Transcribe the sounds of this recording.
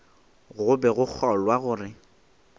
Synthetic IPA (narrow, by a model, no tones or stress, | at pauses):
ɣʊbɛɣʊk͡xʰɔlwaɣʊːrɪ